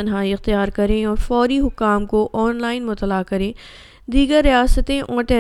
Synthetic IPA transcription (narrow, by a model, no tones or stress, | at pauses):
ɐnɦaːiɪxt̪ijaːɾkɐɾẽɔːɾfɔːɾiɦʊkːaːmkoʔɔːnlaːɪnmʊt̪əlakɐɾẽː | d̪iːɡəɾːijaːsət̪ẽʔɔ̃ːʈɛ